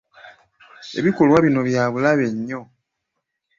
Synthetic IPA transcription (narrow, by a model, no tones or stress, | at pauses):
e̞̰βikolwaβino̞βjaːβulaβe̞ɲːo̞